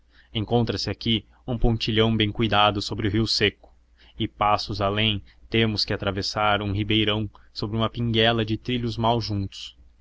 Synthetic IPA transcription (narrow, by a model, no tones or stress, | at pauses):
ẽŋkõnt̪ɾɐsɪaki | ũpõnt͡ʃiʎɐ̃w̃bẽj̃kujd̪ad̪ʊsobɾɪʊɦiwsekʊ̥ | ɪpasʊzalẽj̃t̪ẽmʊskɪat̪ɾavesaɾũɦibejɾɐ̃w̃sobɾɪũmɐpĩŋɡɛlɐd͡ʒɪt̪ɾiʎʊzmawʒũnt̪ʊ̥s